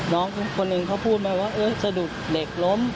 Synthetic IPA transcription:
nɔː˦˥˩ŋkʰo˧nːɯ˨˩ŋkʰa˦˥˩wpʰuː˥˩t̪̚maː˧˥˩waː˥˩ʔɤː˧˩sa˧duː˨˩t̪̚le˨˩k̚lo˦˥m

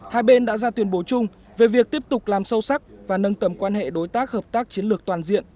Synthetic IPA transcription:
haː˧jɓe˧nɗa̰ː˧˥zaː˧t̪wi˧ənɓo˨˦t͡ɕʊ˧ŋ͡m | ve˨˩vi˨˩ək̚t̪i˦˥əp̚t̪ʊ˨˩k͡p̚laː˨˩msə˧wsa˦˥k̚vaː˨˩nə˧nt̪ə˨˩mkwaː˧nhḛ˧˨ɗo˨˦jt̪aː˦˥k̚həː˨˩p̚t̪aː˦˥k̚t͡ɕi˨˦ənlɨ˨˩ək̚t̪waː˨˩nzḭ˧˨ən

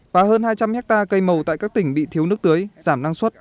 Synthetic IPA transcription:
vaː˨˩həː˧nhaː˧jt͡ɕa˧mhɛ˦˥k̚t̪aː˧kə˧jmə˨˩wt̪a̰ː˧˨jka˦˥k̚t̪ï˧˩ŋ̟ɓḭ˧˨t̪ʰi˨˦wnɨ˦˥ək̚t̪ɨː˨˦jzaː˧˩mnaː˧ŋswə˦˥t̚

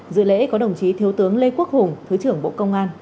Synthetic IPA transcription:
zɨ̰˧˨lḛ˧˥kɔ˨˦ɗə˨˩wŋ͡mt͡ɕi˨˦t̪ʰi˨˦əwt̪ɨ˨˦əŋle˧ku˦˥ək̚hʊ˨˩ŋ͡mt̪ʰɨ˨˦t͡ɕɨ˧˩əŋɓo̰˧˨kə˧wŋ͡mʔaː˧n

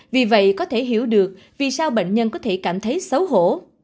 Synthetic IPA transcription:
vi˨˩və̰˧˨jkɔ˨˦t̪ʰe˧˩ɦi˧˩əwɗɨ˨˩ək̚ | vi˨˩saː˧wɓə̰˧˨ŋ̟ɲə˧nkɔ˨˦t̪ʰe˧˩kaː˧˩mt̪ʰə˨˦jsə˨˦wɦo̰˧˩˨

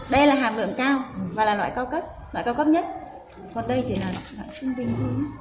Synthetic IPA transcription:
ɗə˧jlaː˨˩ɦaː˨˩m̚lɨ̰˧˨əmkaː˧wvaː˨˩laː˨˩lwa̰ː˧˨jkaː˧wkə˦˥p̚lwa̰˧˨kaː˧wkə˦˥p̚ɲə˦˥t̚ | kɔ˨˩nɗə˧jt͡ɕḭ˧˩laː˨˩˨ɗa̰ː˧˩ŋsʊ˧ŋ͡mɓï˨˩ŋ̟t̪ʰi˨˦

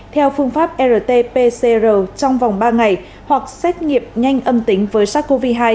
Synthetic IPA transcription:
t̪ʰɛ˧wfɨ˧əŋfaː˦˥p̚ʔɛ˧zəː˨˩t̪e˧pe˧se˧zəː˨˩t͡ɕɔ˧wŋ͡mva˨˩wŋ͡mɓaː˧ŋa˨˩j | hwa˨˩k̚sɛ˦˥t̚ŋi˨˩˨əp̚ɲa˧jŋ̟ʔə˧mt̪ï˨˦ŋ̟vəː˨˦jsaː˦˥k̚ko˧vi˦˧˥ɦaː˧j

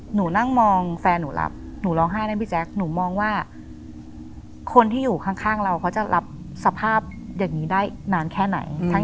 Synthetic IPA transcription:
nuː˩˦na˥˩ŋmɔː˧ŋfɛː˧nːuː˩˦lʔa̰˦˥p̚ | nuː˩˦lɔː˧ŋɦaː˥˩jna˧˥˩bi˦˩t͡ɕʰɛ˦˥k̚nuː˩˦mɔː˧ŋwaː˥˩ | kʰo˧nt̪ʰiː˥˩juː˨˩kʰa˥˩ŋkʰaː˥˩ŋɾa˧wkʰa˦˥t͡ɕa˨˩lʔa˦˥p̚ | sa˧pʰaː˥˩p̚jaː˨˩ŋːiː˦˥daː˥˩jnaː˧˥nkʰɛː˥˩na̰˩˦jt̪ʰa˦

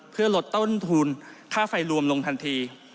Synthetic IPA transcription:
pʰɯ˥˩ɐlo˨˩t̪ːo˥˩˨nt̪ʰu˧nkʰaː˥˩fa˧jɾu˧əmlo˧ŋt̪ʰa˧nt̪ʰiː˧

